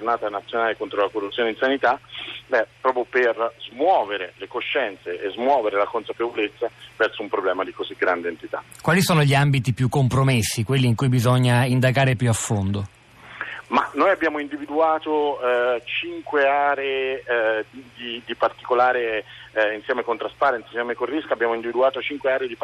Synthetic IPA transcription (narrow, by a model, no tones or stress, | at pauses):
d͡ʒornaːt̪anat̪sjonaːlekont̪ɾolakorːut̪sːjoːneinsanit̪abɛpːɾɔːpɾjoperzmwɔːveɾelekoʃːɛnt̪seʔezmwɔːveɾelakonsapevolet̪sːavɛrsoumpɾoblɛːmad̪ikoziɡɾand̪eːnt̪it̪a̰ | kwaːlisoːnoʎiambit̪ipjukːompɾomesːikwelːiːŋkujbizɔɲːaind̪aɡaːɾepjuafːond̪o | ma̰nːojabːjaːmoind̪ivid̪uaːt̪ot͡ʃiŋkweaːɾee | d̪id̪ipart̪i̥kolaːɾeinsjɛːmekont̪ɾaspaɾɛnt̪eisjɛmekorːiskabːjaːmoind̪ivid̪uaːt̪ot͡ʃiŋkweaːɾed̪i